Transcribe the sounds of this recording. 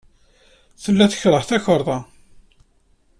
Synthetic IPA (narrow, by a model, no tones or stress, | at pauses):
θəlːæθə̥çɾˤəħθæçəɾˤðˤɑ